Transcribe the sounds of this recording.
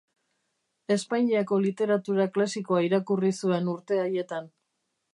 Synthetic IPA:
e̞spaɲiako̞lit̪e̞ɾat̪uɾaklasiko̞aiɾakurisue̞nuɾt̪e̞aje̞t̪an

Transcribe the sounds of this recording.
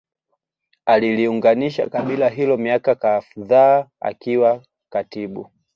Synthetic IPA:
aliliuŋɡaniʃa̰kaɓilaɦilɔmiakakaðaːa̰kiwa | katiɓu

